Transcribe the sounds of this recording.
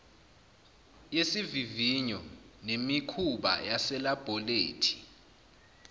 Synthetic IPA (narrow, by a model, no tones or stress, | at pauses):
jesiviviɲɔnemikʰuɓa̰jasɛlab̥ʱɔleːtʰi̥